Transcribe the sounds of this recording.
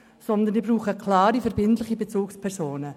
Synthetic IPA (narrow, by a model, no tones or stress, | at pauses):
sɔnd̪ənibɾuːχəkʰlaːɾifɛɾbɪntlɪχibet͡suːkspʰɛɾsoːnə